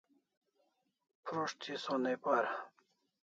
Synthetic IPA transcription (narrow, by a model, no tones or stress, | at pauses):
pʰɾoʂt̪ʰisonepaɾ